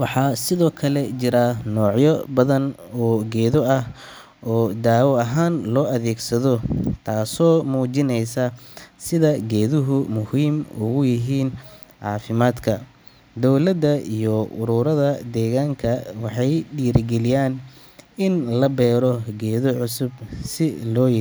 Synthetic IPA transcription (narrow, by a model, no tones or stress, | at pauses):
wɑħɑːsɪðɔːkʰɐlɛt͡ʃɪɾɐnɔːʕjɔbɐðɐnɔːɡɛːðɔɐh | ɔːd̪aːwɔɐɦaːnlɔːʔɐðɛːɡsɐðɔt̪ʰaːsɔːmuːt͡ʃɪnɛjsɐsɪðɐɡɛːðʊɦʊmʊhiːmʊɣʊjɪɦiːn | ʕɑ̰ːfɪmaːd̪kʰɐ | d̪ɔwlɐd̪ɐijɔʔʊɾʊːɾɐðɐd̪ɛːɣaːŋkʰɐwɑħɑjɖiːɾɡɛlɪjaːn | ɪnlɐbɛːɾɔɡɛːðɔʕʊsʊbsɪlɔːjɪ